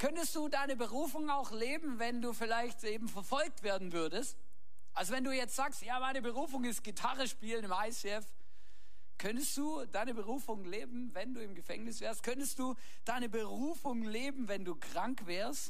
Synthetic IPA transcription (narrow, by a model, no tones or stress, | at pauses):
kʰœntəstd̥uːdaɪnəbəʁuːfʊŋaʊxleːbm̩vɛnduːfɪlaɪçtʔeːbm̩fɛɐfɔlk̚tv̥eːɐdn̩vʏɐdəst | ʔalzovɛnduːjɛt͡stz̥aːkstjaːmaɪnəbəʁuːfʊŋɪst̚ɡ̥itʰaʁəʃpiːlənɪmaɪseɛf | kʰœntəsd̥uː | d̥aɪnəbəʁ̞uːfʊŋleːbm̩vɛnduːɪmɡəfɛ̰ŋnɪsv̥ɛːɐstkʰœntəstd̥uː | d̥aɪnəbəʁuːfʊŋleːbm̩vɛnduːkʁ̥aŋkv̥ɛːɐst